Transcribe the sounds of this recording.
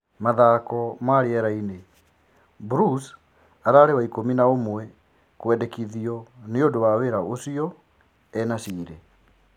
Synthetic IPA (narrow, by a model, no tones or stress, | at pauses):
maðaːkɔmaːɾeɛɾaine | buɾus | aɾaɾewaikominaomwɛ | kwɛdɛkiðiɔneodowaweɾaʔosiɔ | ɛnasiːɾe